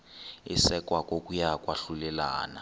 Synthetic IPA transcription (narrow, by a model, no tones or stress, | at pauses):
isɛkwakʼokʼujakʼwaɬulɛla̰ːna̰